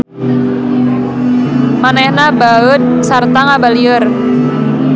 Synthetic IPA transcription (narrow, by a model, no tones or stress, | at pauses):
manɛhnabaət̪̚sart̪aŋabaliər